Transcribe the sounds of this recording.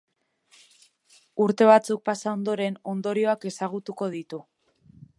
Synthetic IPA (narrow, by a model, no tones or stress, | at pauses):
uɾt̪e̞β̞at͡suk̚pasao̞nd̪o̞ɾe̞no̞nd̪o̞ɾio̞ake̞saɣ̞ut̪uko̞ð̞it̪u